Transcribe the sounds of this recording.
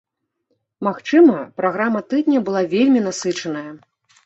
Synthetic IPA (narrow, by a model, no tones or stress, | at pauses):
maxt͡ʂɨmɐpɾaɣɾamɐt̪ɨd̪ʲnʲɐbɨlˠavʲelʲmʲinasɨt͡ʂɐnɐjɐ